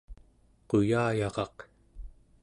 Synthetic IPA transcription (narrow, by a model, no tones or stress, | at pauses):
qojaːjɑʁɑq